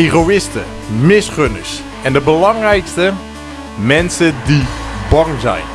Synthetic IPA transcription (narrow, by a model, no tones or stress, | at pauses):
erowɪstə | mɪsχønəɹs | ɛndəbəlɑŋrɛjkstə | mɛnsədibɑŋzɛ̰jn